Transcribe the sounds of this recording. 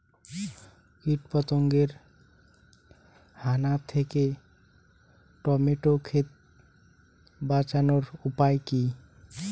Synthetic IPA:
kiʈpɔt̪oŋɡeɾ | hanat̪ʰeke | ʈɔmeʈokʰet̪ | bat͡ɕanoɾupajki

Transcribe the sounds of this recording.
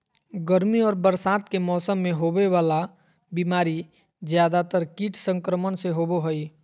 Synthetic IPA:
ɡəɾmiɔːɾbəɾsaːt̪kemɔːsəmːẽɦobewaːla | bimaːɾi | d͡ʒjaːd̪at̪əɾkiːʈʰsə̃ŋkɾəmənseɦoboɦoi

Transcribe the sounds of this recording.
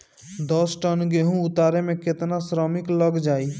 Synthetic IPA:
d̪ɔsʈənɡeɦũʊt̪aːɾemẽkɪt̪nasɾɔːmɪkləɡd͡ʒaːiː

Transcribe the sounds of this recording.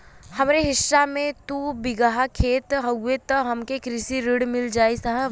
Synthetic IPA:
hɐmɾeɦɪʃːamẽt̪ubɪɡaɦakʰeːt̪ɦɐɡet̪ɦɐmkekɾɪsiɾɪɽmɪld͡ʒaːisɐɦ

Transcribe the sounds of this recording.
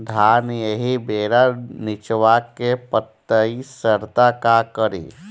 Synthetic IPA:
d̪ʱaːnjeɦibeːɾanɪt͡ʃwakepət̪ːəisəɾt̪akakəɾḭː

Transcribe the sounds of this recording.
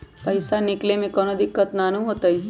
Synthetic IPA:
pɐɪsanɪklemẽkɔːnod̪ɪkːət̪naːnuɦoːt̪ai

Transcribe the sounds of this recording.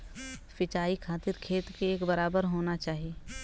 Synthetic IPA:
fɪt͡ʃaːikʰaːt̪ɪɾkʰeːt̪keeːkbɐɾaːbəɾɦoːnat͡ʃaːɦieː

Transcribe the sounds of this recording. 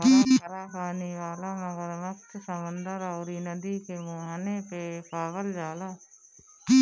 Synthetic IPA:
iɾaːpaːniːʋaːlaːməɡəɾməkt̪səmənd̪əɾaːɾiːnəd̪iːkemõːɦaneːpeːpʰaːʋəld͡ʒaːlaː | kiː

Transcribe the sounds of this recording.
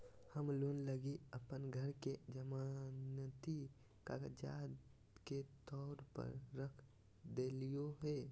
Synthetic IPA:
həmlonləɡiəpənɡʱəɾked͡ʒəmanət̪i | ka̰ɡəd͡ʒa̰d̪ | ket̪ɔɾpə̰ɾɾəkʰ | d̪elijoɦe

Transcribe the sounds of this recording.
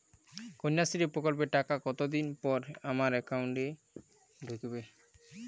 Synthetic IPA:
koɲːasiɾepɾɔkɔlpeʈakakɔt̪od̪inpɔɾamaɾɛkawɳʈɛ | d̪ʱokebe

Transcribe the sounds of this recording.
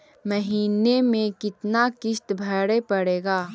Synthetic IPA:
mɐɦiːnemẽkɪt̪nakɪʃt̪bʱɐɽepɐɽeːɡaː

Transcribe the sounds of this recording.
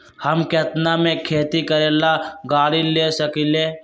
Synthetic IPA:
həmket̪namẽkʰeːt̪ikəɾeːlaɡaːɽilesəkileː

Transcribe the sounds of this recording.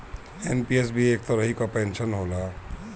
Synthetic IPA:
enpiesbʱieːk̚t̪ɔɾəɦikapensənɦola

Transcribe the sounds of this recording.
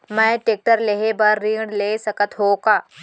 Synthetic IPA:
məjʈek̚ʈəɾleɦebəɾːiɽlesəkət̪ɦoka

